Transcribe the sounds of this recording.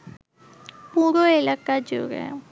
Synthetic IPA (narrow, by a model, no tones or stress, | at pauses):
puːɾoelaːkad͡ʒo̰ɾɛ̰